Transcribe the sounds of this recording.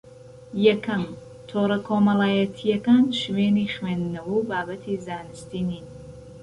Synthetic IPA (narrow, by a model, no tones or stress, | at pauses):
jɐkʰɐm | t̪ʰoːɾɐkʰoːmɐlˠaːjɛt̪ʰijɐkaːnʃweːnixweːnd̪nɐwuwbaːbɐt̪ʰizaːnɨst̪iːniːn